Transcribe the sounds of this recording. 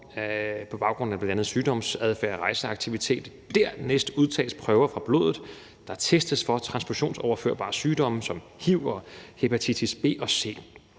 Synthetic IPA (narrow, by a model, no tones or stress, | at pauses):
pʰɒ̽b̥ɑ̈ʊɡ̥ʁɔ̽n̩æb̥lændænð̞̩ˠsyːd̥ɒ̽msæðˠfæɐ̰ɒʁɑ̈ɪsəɑ̈ɡ̥̚t͡sʰiʋit͡sʰe̝̰ːd̥ | d̥æɐ̰nesd̥uð̞ˠt͡sʰɛ̰ːləspʰʁœʊɐfʁɑ̈b̥lo̝̰ːðˠð̩ˠ | d̥ɑ̈t͡sʰesd̥əsfɒ̽t͡sʰʁɑ̈nsb̥oɕo̝̰ːnsɒʊɐfø̰ɐ̰b̥ɑ̰̈ːsyːd̥ɒ̽məsɒ̽m | hiʊ̰ɒhe̝pʰæt͡sʰit͡sʰisb̥e̝̰ːʔɒ̽se̝̰ː